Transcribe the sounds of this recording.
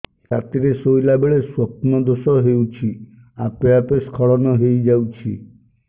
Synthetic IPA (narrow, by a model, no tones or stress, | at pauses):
sat̪iɾesojlabeɭeswɔpnɔd̪osɔɦewt͡ʃʰi | apeapeskʰɔɭɔnɔɦejd͡ʒawt͡ʃʰi